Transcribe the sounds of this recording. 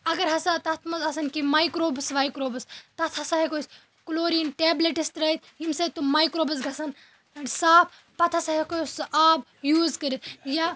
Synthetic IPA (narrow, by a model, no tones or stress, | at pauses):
ɐɡɐɾɦɐsat̪ɐt̪ʰmɐzɐsɐnkimaːjkɾoːbɐsʋaːjkɾoːbɐst̪ɐt̪ʰɐsɐɦekoːjs | kuloːɾiːnʈeːbleʈist̪ɾɐːit̪jimsɐt̪umaːjkɾoːbɐzɡʱɐsɐn | ɐsaːb̚ | pɐt̪ʰɐsaɦekojsʔaːb | juːzkɐɾit̪ʰja